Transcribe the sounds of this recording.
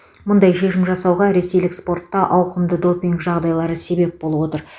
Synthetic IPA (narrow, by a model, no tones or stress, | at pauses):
mʊnd̪ɑjʃe̞ʃɪmʒɑsɑwʁɑɾe̞se̞jlɪkspo̞rt̪ːɑʔɑwqəmd̪əd̪o̞pʲiŋkʒɑʁd̪ɑjlˠɑɾəse̞be̞p̚bo̞lˠəbwo̞t̪əɾ